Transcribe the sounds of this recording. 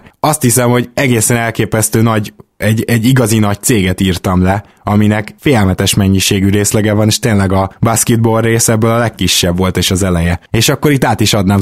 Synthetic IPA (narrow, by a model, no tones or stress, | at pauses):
ɒst̪hisɛmho̞ɟɛɡeːsɛnɛlkeːpɛst̪øːnɒɟɛɟɛɟːiɡɒzinɒc̚t̪seːɡɛt̪iːrt̪ɒmlɛ | ɒminɛkfeːɛlmɛt̪ɛʃmɛɲːiʃeːɡyɾeːslɛɡɛvɒneːʃt̪eːnlɛɡɒbaskid̪̚boreːsɛbːølɒlɛkːiʃːɛbʋo̞lt̪eːʃɒzɛlɛjɛeːʃɒkːo̞ɾit̪ːaːt̪iʃɒd̪naːm